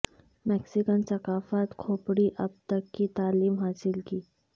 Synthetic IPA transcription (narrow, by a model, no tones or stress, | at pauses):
mɛːksɪkənsɐkaːfaːt̪kʰoːpɽiʔɐb̚t̪əkːit̪aːliːmɦaːsɪlkiː